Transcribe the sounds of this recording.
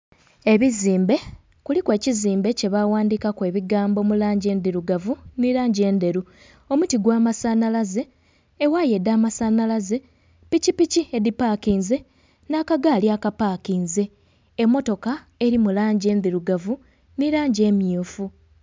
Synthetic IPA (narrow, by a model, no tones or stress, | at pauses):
e̞βiziːmbe̞ | kulikwe̞ːciziːmbe̞ce̞βawaːndiːkakwe̞ːβiɡaːmbo̞mulaːɲɟe̞ːnðiɾuɡavuniɾaːɲɟe̞ːnd̪e̞ɾu | omutiɡwaːmasanalaze̞ː | waje̞daːmasanalaze̞ | picipiciedipaːkiːnze̞ | nakaɡaljakapaːkiːnze̞ː | mːo̞to̞ka | e̞ɾimulaːɲɟe̞ːnðiɾuɡavu | niɾaːɲɟe̞ːmjuːfu